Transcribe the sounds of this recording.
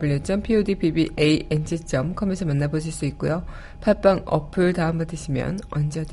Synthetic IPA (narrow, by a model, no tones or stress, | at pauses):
pɯʎːjot͡ɕ͈ʌmpʰiodipʰibiʔeiʔend͡ʑʰit͡ɕ͈ʌmkʰʌmensʰʌmanːaboɕ̬ʰiɭs͈uik̚k͈ujo | pʰaɭp͈aŋʌ̰pʰɯɭtaɯmpatʰɯɕʰimjʌ̰nʌnd͡ʑʌd